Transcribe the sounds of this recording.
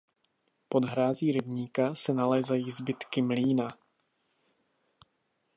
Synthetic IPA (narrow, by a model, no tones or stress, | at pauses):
po̞d̪ɦɾaːziːɾɪbɲiːkasɛnalɛːzajiːzbɪt̪kɪmliːna